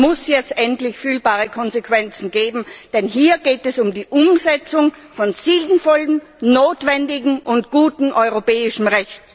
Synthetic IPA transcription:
mʊsjɛt͡stʔɛntlɪçfyːlbaːʁəkʰɔnzekv̥ɛnt͡sn̩ɡeːbm̩d̥ɛnɦiːɐɡeːtɛsʊmdiːʔʊmzɛt͡sʊŋfɔnz̥iːldn̩fɔlənː | oːtv̥ɛndɪɡŋ̩ʔʊntɡ̥uːtn̩ʔɔʏʁopɛːɪʃn̩ʁɛçt

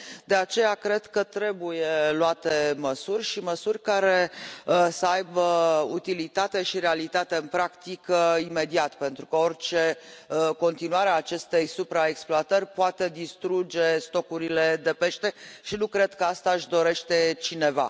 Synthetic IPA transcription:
d̪e̞at͡ʃe̞jakɾe̞d̪kət̪ɾe̞buje̞lwat̪e̞məsurʲʃiməsurʲkaɾe̞ | səajbəut̪ilit̪at̪e̞ʃiɾealit̪at̪e̞ɨnpɾakt̪ikəime̞d̪iat̪pe̞nt̪ɾukəo̞rʲt͡ʃe̞ko̞nt̪inuaɾeaːt͡ʃe̞st̪e̞jsupɾaeksploat̪ərʲpoat̪e̞d̪ist̪ɾud͡ʒe̞st̪o̞kuɾile̞d̪e̞pe̞ʃt̪e̞ʃinukɾe̞d̪kəast̪aɨʃd̪o̞ɾe̞ʃt̪e̞t͡ʃine̞va̰

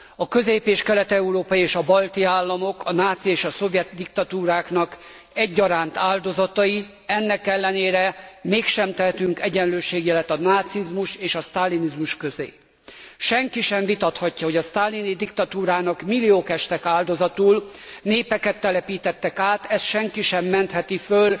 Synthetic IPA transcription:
ɒkø̞zeːpeːʃkɛlɛt̪ɛuɾoːpɒjieːʃɒbɒlt̪iaːlːɒmo̞kɒnaːt̪sieːʃɒso̞vjɛt̪d̪ik̚t̪ɒt̪uːɾaːknɒk | ɛɟːɒɾaːnt̪aːld̪o̞zɒt̪ɒji | ɛnːɛkɛlːɛneːɾɛmeːkʃɛmt̪ɛɦɛt̪yŋkɛɟɛnløːʃeːɡjɛlɛt̪ɒnaːt̪sizmuʃeːʃɒst̪alːinizmuʃkø̞zḛː | ʃɛŋkiʃɛɱvit̪ɒt̪hɒcːɒɦo̞ɟɒst̪aːlːinid̪ikt̪ɒt̪uːɾaːnɒkmilːioːkɛʃt̪ɛkaːld̪o̞zɒt̪uːlneːpɛkɛt̪ːɛlɛpiːt̪ɛt̪ːɛkaːt̪ɛst̪ʃɛŋkiʃɛmːɛnt̪hɛt̪iføl

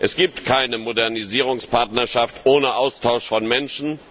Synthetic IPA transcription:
ʔɛsɡ̥iːp̚tkʰaɪnəmodɛɐniziːʁ̞ʊŋspaɐtnɐʃaftʔoːnəʔaʊstʰaʊʃfɔnmɛnʃn̩

